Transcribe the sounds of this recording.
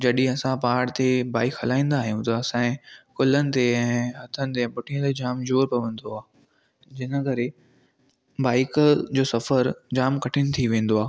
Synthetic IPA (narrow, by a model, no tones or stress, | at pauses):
d͡ʑɐɗĩɐsãpaːɽt̪ebaːɪkɦɐlaːĩːnd̪aːɦijũt̪ɐːsãẽkʊlənɪ̆t̪eɛ̃ːɦɐt̪ʰənɪ̆t̪̬eɛ̃ːpʊʈʰiə̃t̪ed͡ʑaːmd͡ʑoːɾpɐʋə̃nd̪oaː | d͡ʑɪnə̆kɐɾe | baːɪkd͡ʑoːsɐfəɾd͡ʑaːmkɐʈʰɪnɪ̆t̪ʰiʋẽːn̆d̪oaː